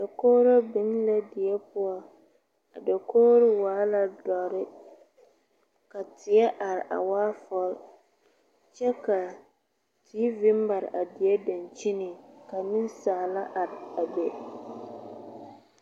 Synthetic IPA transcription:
da˨koː˦ɾo˦bɪ˨˦n˦la˦dɪ˨ɛ˦pʊ˦ɔ˦ | a̰˨da˨koː˦ɾɪ˦waː˨˦la˦dɔ˨ɾɪ˦ | ka˨tɪ˨ɛ˦ʔa˨ɾɪ˨ʔa̰˨waː˦fɔ˦l | t͡ʃɛ˦ka˨ | tʰiː˦vɪ˦m˦ba˨ɾ̰ʔa˨dɪ˨ɛ˦da˨nt͡ʃi˦nɪ˨ka˨nɪ̃˦n˦saː˨la˦ʔa˨ɾa˨bɛ˨

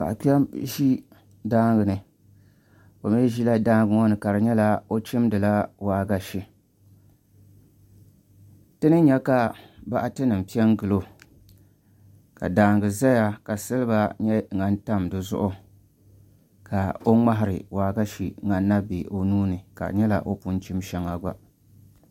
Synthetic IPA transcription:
ka̰˨a˨ki˦ɛ˦mʒi˦ | daː˦ŋ˦ɡɨ˨nɨ˨ | o˨me˦ʒi˦la˦daː˦ŋ˦ɡɨ˦ŋɔ˦nɨ˨ka˨ɾɨ˨ɲɛ˦la˦o˦t͡ʃɪ˦m˦dɨ˨la˦waː˨˦ɡa˦ʃi˦ | tɨ˦nɨ˦ɲɛ˦ka˨ba̰˦ʔa˦tɨ˦nɨ˨m̩˨pi˦ɛ˦ŋɡɨ˨lo˦ | ka̰˨daː˨˦ŋɡɨ˨za˦ja˦ka˨sɨ˦lɨ˦ba˦ɲɛ˦ŋa˨n˦ta˦m˨dɨ˨zʊ̰˦ʔʊ˦ | kʰa˨o˦ŋ͡ma˦ɦɪ˨ɾɨ̰˨waː˨ɡa˦ʃi˨ŋa˨nː˦a˦be˨ʔo˨nuː˦nɨ˨ka̰˨ɲɛ˦la̰˦ʔo˦pʊ˦nt͡ʃi˦mʃɛ˨ŋa˨ɡʷa̰˨

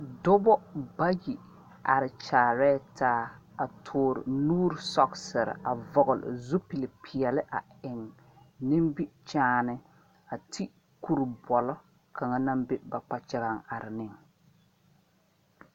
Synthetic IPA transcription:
dʊ˦bɔ˦ba˦ji˨ | a˨ɾɪ˨t͡ʃaː˨ɾɛː˦tʰaː˦ | a˨tʰʊː˨ɾɪ̰˨nuː˦ɾsɔ˦ksɪ˨ɾɪ̰˨ʔa˨vɔ˨ɣʊ˨lɪ̰˨zu˦pi˨lɪ˨pʰɪ˨ɛ˨lɪ˦ʔa˨ɪ˨ŋ | nɪ˦mbi˦t͡ʃaː˦nɪ˦ | a˨tʰi˦ | ku˦ɾbɔ˨lɔ˦ | ka˨ŋa˦na˦mbe˦ba˨k͡pa˨t͡ʃɪ˦ɣa˦ŋa˨ɾɪ˨nɪ˦˨ŋ

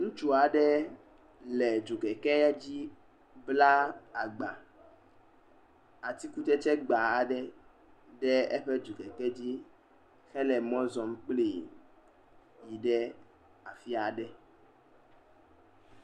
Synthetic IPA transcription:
ŋũ˦t͡ʃu˦a˨ɖɛ˦ | lɛ˨d͡ʒu˨ɡɛ˨kɛ˦ɛ˦d͡ʑi˦ | bla˦a˨ɡ͡ba˨ | a˨t̪i˦ku˦t̪ɛ˦t͡ʃɛ˦ɡ͡ba˨a˨ɖɛ˦ | ɖɛ˦ɛ˦ɸɛ˦d͡ʒu˨ɡɛ˨kɛ˦d͡ʑi˦ | xɛ˦lɛ˨mɔ̃˦zɔ˨m˦k͡ple˨ | ji˨ɖɛ˦ | a˨fi˦a˨ɖɛ˦

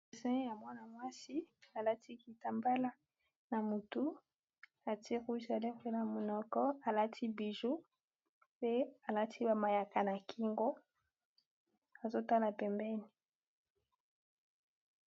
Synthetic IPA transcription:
e˨sɛ̃˦ja˨mwa˦na˨mwa˦si˦a˨la˦tʰi˦ki˨ta˨mba˦la˦ | na˨mu˨tu˦ | a˨ti˦ʁu˦za˨lɛ˦pe˦na˨mo˨nɔ˦kɔ˦a˨la˦tʰi˦bi˨ʒu˦ | pe˦a˨la˦tʰi˦ba˨ma˨ja˨ka˨na˨ki˦ŋɡo˦ | a˨zo˦ta˦la˨pɛ˨mbɛ˦ni˨

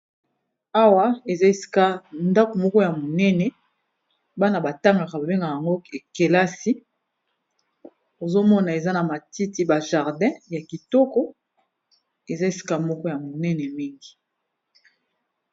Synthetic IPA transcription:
a˦wa˦e˨za˦e˦˨si̥˦ka˦nda˦ko˨mɔ˦kɔ˦ja˨mo˨nɛ˦nɛ˨ | ba˦na˨ba˨ta˦ŋɡa˨ka˨ba˨be˦ŋɡa˨a˨ŋɡo˦e˨ke˨la˦si˦ | o˨zo˦mɔ˦na˨e˨za˦na˨ma˨ti˦ti˦ba˨ʒa˨ʁdɛ̃˦ja˨ki˨tɔ˦kɔ˦ | e˨za˦e˨si̥˦ka˦mɔ˦kɔ˦ja˨mo˨nɛ˦nɛ˨mi˦ŋɡi˨

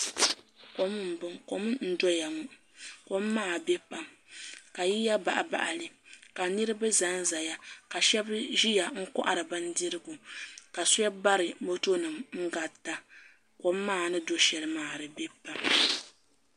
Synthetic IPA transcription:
ko˨˦mɨ˦m̩˨bɨ˦ŋko˨m˦n̩˦dɔ˦ja˨ŋu˦ | ko˦mː˦aː˦˨be˦pa˦m | ka˨ji˦ja˦ba̰˨ʔa˨ba̰˨ʔa˨lɨ˨ka˨nɨ˦ɾɨ˦ba˦za˦n˦za˨ja˦ka˨ʃɛ˦bʒi˦ja˨ŋ̩˦kɔ̰˦ʔa̰˨ɾɨ˨ba˦n˦di˦ɾɨ˦ɡu˨ka˨sʊ˦a˦ba˦ɾɨ˨mo˦to˦nɨ˨mŋ̩˦ɡa˨ta˦ | ko˦mːaː˦˨nɨ˦do˦ʃɛ˨lɨ˨maː˨ɾɨ˨be˦pa˨m

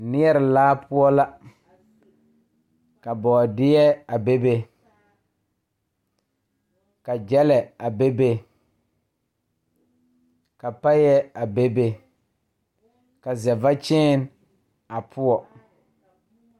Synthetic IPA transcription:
nɪ˦ɛ˦ɾɪ˨laː˦pʊ˦ɔ˦la˦ | ka˨bɔː˨dɪ˦jɛ˦a˨be˦be˦ | ka˨d͡ʒɛ˦lɛ˨a˨be˦be˦ | ka˨pa˦jɛ˦a˨be˦be˦ | ka˨zɛ˨va˦t͡ʃɛː˦n | a˨pʰʊ˦ɔ˨

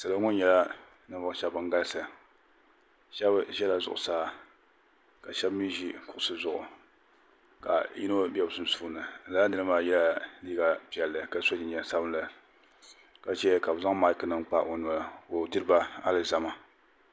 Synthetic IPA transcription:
sa˨la˦ŋʊ˦nɲɛ˦la˦ | nɨ˦vʊ˦ʃɛ˦bɨ˦ŋ˦ɡa˦lsɨ˨ | ʃɛ˦bʒɛ˦la˨zʊ̰˨ʔʊ̰˨saː˦ | ka˨ʃɛ˦bmi˦ʒi˦kʊ˨ʔʊ˦sɨ˦zʊ˨ʔʊ̰˨ | ka̰˨jḭ˦no˦bɛ˦˨bsɨ˦n˦su˦˨˦nɨ˨n̩˨la˦nɨ˦lɨ˦maː˦jɛ˦la˦liː˦ɡa˦pi˨ɛ˨lːɨ˨ka˨so˦d͡ʒi˨ɲɛ˨sa˦bɨ˦lɨ˨ | ka˨t͡ʃɛ˦ka˨bza˦ŋ˦ma˦lkɨ˨nɨ˦ŋ˦k͡pa˦ʔo˨nɔ˨la˨o˨dɨ˦ɾɨ˦ba˦a˦lɨ˨za˦ma˦

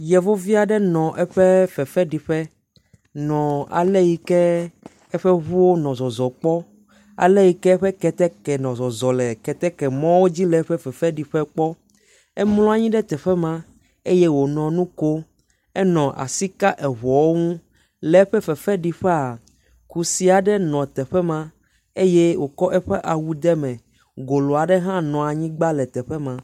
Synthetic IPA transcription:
jɛ˨vo˦vi˦a˨ɖɛ˦nɔ̃˨ʔɛ˦ɸɛ˦fɛ˨fɛ˦ɖi˨ɸɛ˦ | nɔ̃˨a̰˨le˦ji˨kɛ˦ | ɛ˦ɸɛ˦ɦu˦wo˦nɔ̃˨zɔ˨zɔ˨k͡pɔ˦ | a̰˨le˦ji˨kɛ˦ɛ˦ɸɛ˦kɛ˨t̪ɛ˦kɛ˨nɔ̃˨zɔ˨zɔ˨lɛ˨kɛ˨t̪ɛ˦kɛ˨mɔ̃˦wo˦d͡ʑi˦lɛ˨˦ɸɛ˦fɛ˨fɛ˦ɖi˨ɸɛ˦k͡pɔ˦ | ɛ˦mlɔ̃˦a˨ɲĩ˦ɖɛ˦t̪ɛ˨ɸɛ˦mã˦ | e˦je˦wo˨nɔ̃˨nũ˦ko˦ | ɛ˦nɔ̃˨ʔa̰˨si˦ka˦ʔɛ˨βɔ˨wo˦ŋũ˦ | lɛ˦ɸɛ˦fɛ˨fɛ˦ɖi˨ɸɛ˦a˨ | ku˨si˦a˨ɖɛ˦nɔ̃˨t̪ɛ˨ɸɛ˦mã˦ | e˦je˦wo˨kɔ˦ʔɛ˦ɸɛ˦ʔa˨wu˨d̪ɛ˦mɛ̃˨ | ɡo˨lɔ˨a˨ɖɛ˦ɦã˦nɔ̃˨a˨ɲĩ˦ɡ͡ba˦lɛ˨t̪ɛ˨ɸɛ˦mã˨

